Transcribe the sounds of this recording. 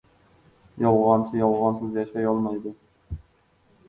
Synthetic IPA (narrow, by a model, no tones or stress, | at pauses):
jɑlˠʁɑnt͡ʃʰijɑlˠʁɑnsɨzjɑʃɑjɑlˠmɑjd̪ɨ